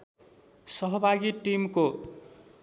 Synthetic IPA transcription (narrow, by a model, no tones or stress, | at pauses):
sʌɦʌbʱaɡiʈimko